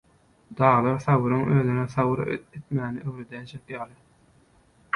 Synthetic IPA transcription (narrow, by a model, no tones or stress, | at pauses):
d̪̥ɑːʁlˠɯɾθɑwɯɾɯŋøːðyneθɑwɯɾet̪mæːniʔøwɾed̪ænt͡ʃʰekjɑːlˠɯ